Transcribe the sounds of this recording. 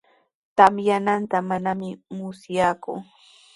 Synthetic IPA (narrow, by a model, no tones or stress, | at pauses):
t̪amjanant̪amanamɪmʊsjaːkʊ